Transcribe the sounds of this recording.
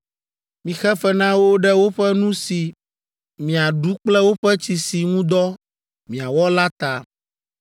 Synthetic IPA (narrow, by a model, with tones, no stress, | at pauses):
mĩ˨xɛ˦fɛ˦nã˦wo˦ɖɛ˦wo˦ɸɛ˦nũ˦si˨ | mĩ˨a˨ɖu˦k͡plɛ˦wo˦ɸɛ˦t͡ɕi˨si˨ŋũ˦d̪ɔ˦ | mĩ˨a˨wɔ˦la˦t̪a˨